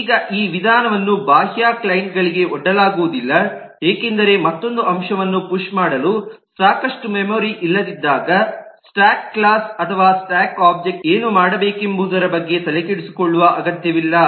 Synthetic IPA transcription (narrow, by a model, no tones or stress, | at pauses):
iːɡɐʔiːʋid̪ʱaːnɐʋɐnːubʱaːɦjaːklɐjɳʈɡɐɭiɡe̞ɔɖːɐlaːɡuʋud̪ilːɐ | eːkend̪ɐɾe̞mɐt̪ːo̞nd̪uʔɐmʂɐʋɐnːupuʂmaːɽɐlusaːkɐʂʈumemoːɾiʔilːɐd̪id̪ːaːɡɐsʈaːkːlaːsɐt̪ʰɐʋaːsʈaːkaːp̚d͡ʒek̚ʈeːnumaːɽɐbeːkembʱuːd̪ɐɾɐbɐɡːe̞t̪ɐlekeɽusi̥ko̞ɭːuʋɐʔɐɡɐt̪jɐʋilːɐ